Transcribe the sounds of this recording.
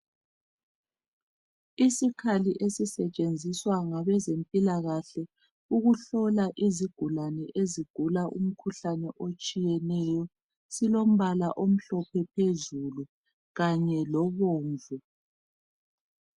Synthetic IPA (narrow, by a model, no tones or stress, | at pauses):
isikʰaliʔesisɛt͡ʃʼend͡zʱiswaŋaβɛzempʼilaɣaɬɛ | uɣuɬɔlaʔiziɡ̥ʱulanɛʔeziɡ̥ʱulaʔṵm̩kʰuɬanɛʔot͡ʃʼijɛnɛjɔ | silom̩βalaʔom̩ɬɔpʰɛpʰezulu | ɣaɲɛlɔβoːɱvu